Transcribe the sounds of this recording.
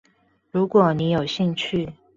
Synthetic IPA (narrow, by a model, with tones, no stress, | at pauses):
ɻu˧˥kwɔ˨˩ni˧˥jo˨˩ʊɕi˥˧ŋt͡ɕʰy˥˨